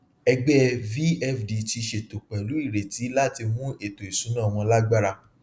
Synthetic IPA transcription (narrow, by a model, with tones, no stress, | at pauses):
ɛ˧ɡ͡bɛ˦vi˦ɛ˦˨fdi˨ti˧ʃe˨to˨k͡pɛ˨lu˨˦i˦˨ɾe˨ti˨˦la˦ti˧mũ˦e˦˨to˨i˨sũ˨˦nã˦˨w̃ɔ̃˧la˦ɡ͡ba˦ɾa˧